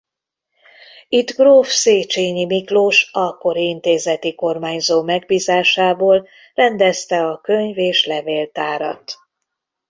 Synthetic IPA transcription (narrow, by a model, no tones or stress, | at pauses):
it̪ɡroːfseːt͡ʃeːɲimikloːʃɒkːo̞ɾiint̪eːzɛt̪iko̞rmaːɲzoːmɛɡ̚biːzaːʃaːboːl | rɛnd̪ɛst̪ɛɒkø̞ɲveːʃlɛveːlt̪aːɾɒ̰t̪